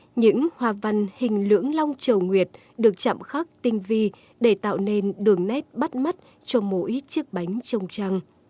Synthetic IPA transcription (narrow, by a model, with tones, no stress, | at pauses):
ɲɨ̰˧˥ŋhwaː˨˩va˧nhï˨˩ŋ̟lɨ̰˧˥əŋla˧wŋ͡mt͡ɕə˨˩wŋwi˨˩ət̚ | ɗɨ˨˩ək̚t͡ɕa̰˧˨mxaː˦˥k̚t̪ï˧ŋvi˧ | ɗe˧˩t̪a̰ː˧˨wne˧nɗɨ˨˩əŋnɛ˦˥t̚ɓa˦˥t̚ma˦˥t̚ | t͡ɕɔ˧mo̰˧˥jt͡ɕɨ˦˥k̚ɓa˨˦jŋ̟t͡ɕə˧˩wŋ͡mt͡ɕaː˧ŋ